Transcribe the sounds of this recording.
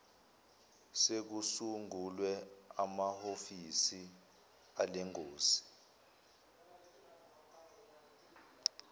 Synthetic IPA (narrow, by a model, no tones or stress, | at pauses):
sek̬usuŋulwɛamahofisi | alɛŋoːsi̥